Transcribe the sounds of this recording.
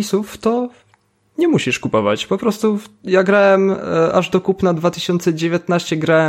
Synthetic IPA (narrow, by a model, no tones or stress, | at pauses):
isuft̪ɔ | ɲɛmuɕiʂkupɔva̰t͡ɕpɔpɾɔst̪ujaɡɾawɛmaʐd̪ɔkupnad̪vat̪ɘɕɔnt̪sɛd͡ʑevʲjat̪naɕt͡ɕɛɡɾawɛ